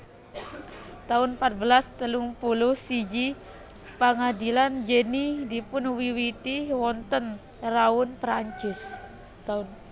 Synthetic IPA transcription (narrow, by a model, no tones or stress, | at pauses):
t̪aʊnpat̪̚bəlast̪əluŋpulʊhsid͡ʒi | pəŋadiland͡ʒənidipʊnwiwit̪iwɔnt̪ən | raʊnpɾaɲt͡ʃʊs | t̪aʊn